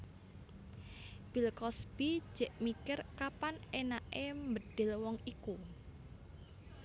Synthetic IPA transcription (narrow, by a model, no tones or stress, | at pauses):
b̥i̤lkɔsb̥i̥ʒ̥ɛ̤ʔmikɪrkapanenaʔembəd̪̥ɪlwɔŋiku